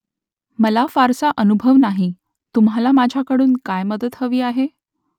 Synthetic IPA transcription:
məlafaɾsaʔənubʱəʋnaɦi | t̪um̤alamad͡ʑʱjakəɽuːnkajməd̪ət̪həʋiːaɦe

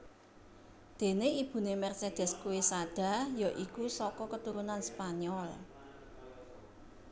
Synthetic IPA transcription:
d̪̥e̤neib̥ṳnemɛrsed̪̥ɛ̤skuwesaɖ̥a̤jɔʔikusɔkɔkət̪uɾunanspaɲɔl

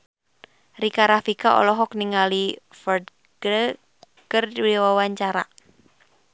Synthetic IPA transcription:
rikaɾafikaʔɔ̰lɔɦɔk̚niŋali | fɔrd̪̚ | ɡɾə | kərdwiwawaɲt͡ʃaɾa̰

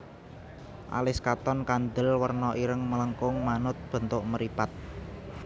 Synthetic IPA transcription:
ʔa̰lɪskat̪ɔnkand̪əlwərnɔʔiɾəŋmələŋkʊŋmanʊt̪̚b̥ə̤nt̪ʊʔməɾipat̪̚

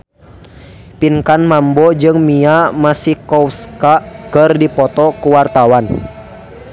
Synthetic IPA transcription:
pinkanmambɔd͡ʒɨŋmiamasihkɔwskakərdipɔt̪ɔkuwart̪awan

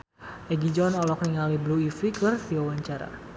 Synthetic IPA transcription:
ʔɛɡid͡ʒɔnɔlɔk̚niŋalibluifikɨrsiwawaɲt͡ʃaɾa̰

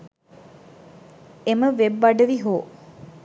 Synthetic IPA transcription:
eməʋebːɐɖəʋiɦoː

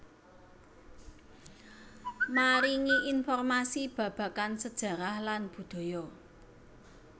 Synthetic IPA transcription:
maɾiŋiʔinfɔrmasib̥ä̤b̥ä̤kansəd̥ʒ̥ä̤ɾahlanb̥ṳd̪̥o̤jɔ

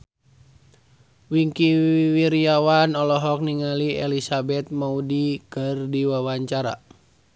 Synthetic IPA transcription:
wiŋkiiwiɾiawanɔlɔɦɔk̚niŋaliɛ̰lisabɛt̪̚maudikɨrdiwawaɲt͡ʃaɾa̰

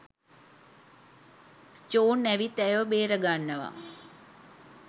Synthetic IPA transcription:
t͡ʃoːnːæʋit̪æjʋəbeːɾəɡanːəʋa̰

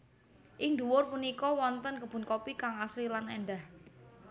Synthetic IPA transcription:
ʔɪŋd̪uwʊrpunikɔwɔnt̪ənkəb̥ṳnkopikaŋasɾilanenɖah

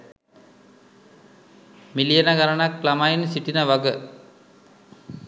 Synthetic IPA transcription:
milijənaɡaɾanakːlamajinsiʈinəʋaɡə

